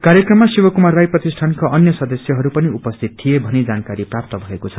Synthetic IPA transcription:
kaɾjʌkrʌmːasibʌkumarːajprʌt̪isʈʰankaʌnjʌsʌd̪ʌsjʌɦʌɾupʌniupʌst̪ʰit̪t̪ʰːijebʱʌnid͡zankaɾiprap̚t̪ʌbʱʌekot͡sʰʌ

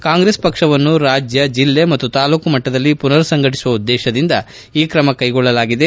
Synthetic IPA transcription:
kaːŋɡɾespɐkʂɐʋɐnːuɾaːd͡ʒjɐd͡ʒilːemɐt̪ːut̪aːluːkumɐʈːɐd̪ɐlːipunɐɾsɐŋɡɐʈi̥suʋɐud̪ːɛːʃɐd̪ind̪ɐ | iːkɾɐmɐkɐjɡɔɭːɐlaːɡid̪e̞

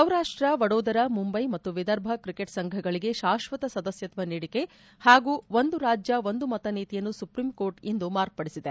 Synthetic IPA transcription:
sɐwɾaːʂʈɾɐʋɐɽoːd̪ɐɾɐmumbɐjmɐt̪ːuʋid̪ɐɾbʱɐkɾikeʈsɐŋɡʱɐɡɐɭiɡe̞ʃaːʃʋɐt̪ɐsɐd̪ɐsjɐt̪ʋɐniːɽike̞ | haːɡuːʋond̪uɾaːd͡ʒjɐʋond̪umɐt̪ɐniːt̪ijɐnːusupɾiːmko̞ːɾʈind̪umaːɾk̚pɐɽisid̪e

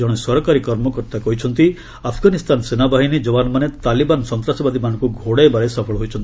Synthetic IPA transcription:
ɔɽ̃esɔɾɔkaɾikɔɾmɔkɔɾt̪akɔɦit͡ʃʰɔnt̪i | apʰɡanist̪ʰansenabaɦinid͡ʒɔbanmanet̪alibansɔnt̪ɾasɔbad̪imanɔ̃ŋkuɡʱoɽajbaɽesɔpʰɔɭɔɦojt͡ʃʰɔnt̪i

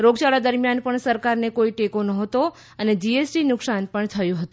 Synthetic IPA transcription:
ɾoɡt͡ʃaɭad̪əɾmjanpəɳsəɾkaɾnekoiʈekonəɦət̪o | əned͡ʒiesʈinʊksanpəɳt̪ʰəjũɦət̪ũ

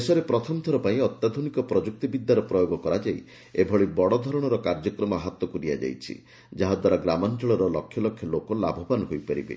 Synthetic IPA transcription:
esɔɾepɾɔt̪ʰɔmt̪ʰɔɾɔpaĩɔt̪jad̪ʱonikɔpɾɔd͡ʒuk̚t̪ibid̪ːaɾɔpɾɔjoɡɔkɔɾad͡ʒaj | ebʱɔɭibɔɽɔd̪ʱɔɾɔɽ̃ɔɾɔkaɾd͡ʒɔkɾɔmɔaɦat̪ɔkuɾiad͡ʒa̰jt͡ʃʰḭ | d͡ʒaɦɔd̪waɾɔɡɾamɔnt͡ʃɔɭɔɾɔlɔkʰːjɔlɔkʰːjɔlokɔla̰bʱɔbanɔɦojpaɾḭbḛ

